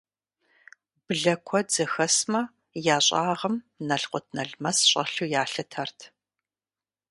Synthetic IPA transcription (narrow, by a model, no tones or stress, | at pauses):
bɨɮɐkʷʰɔd͡zɐxɐsmɐ | jaːɕʼaːʁɐm | nɐɬqʷʊtʰnɐɮmɐsɕʼɐɬuːjaːɬɨtʰɐrtʰ